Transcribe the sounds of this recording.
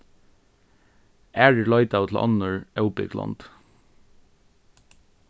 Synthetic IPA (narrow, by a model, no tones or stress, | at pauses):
æːɹɪlɑɪt̪aʊt̪ʰl̩ʔɑ̰nəɹʔɛʊpɪ̰ɡlɑ̰nd̪̥